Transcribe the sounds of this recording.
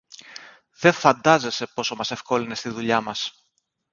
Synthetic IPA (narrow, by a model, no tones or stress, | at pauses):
ðe̞fɐnd̪ɐze̞se̞po̞so̞mɐse̞fko̞line̞st̪iðuʎɐmɐs